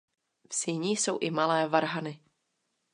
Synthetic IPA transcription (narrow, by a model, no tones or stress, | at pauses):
fsiɲiːso̞wʔɪmalɛːvaɾɦanɪ